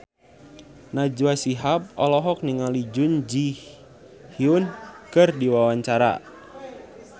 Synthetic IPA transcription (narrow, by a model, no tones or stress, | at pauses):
nad͡ʒuasiɦap̚ɔ̰lɔɦɔk̚niŋalid͡ʒʊnd͡ʒi | hiunkɨrdiwawaɲt͡ʃaɾa̰